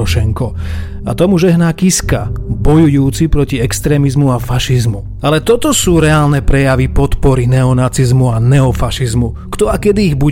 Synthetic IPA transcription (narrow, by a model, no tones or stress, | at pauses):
ɔʃɛŋkɔ | a̰t̪ɔmuʒɛɦnaːkiska̰bɔjujuːt͡sipɾɔciɛkst̪ɾɛːmizmuafaʃizmu | alɛt̪ɔt̪ɔsuːɾɛaːlnɛpɾɛjaʋipɔt̪pɔɾinɛɔnat͡sizmuanɛɔfaʃizmu | kt̪ɔakɛd̪iːɣbu